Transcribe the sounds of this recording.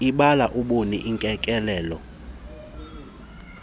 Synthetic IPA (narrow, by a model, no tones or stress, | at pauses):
iɓalaʔuɓunḭʔiŋkʼɛkʼɛlɛːlɔ